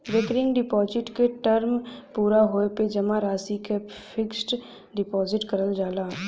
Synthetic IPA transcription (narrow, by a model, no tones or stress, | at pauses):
ɾɪkɾɪ̃ŋɡɖɪpɔːd͡ʒɪʈkeʈəɾmpuːɾaɦoːeped͡ʒɐmãɾaːsike | fʰɪksʈ | ɖɪpɔːzɪʈkɐɾəld͡ʒaːlaː